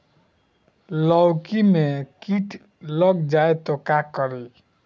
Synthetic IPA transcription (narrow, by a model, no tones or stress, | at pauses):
lɔwkimekiʈʰ | ləɡd͡ʒaet̪ɔkakəɾi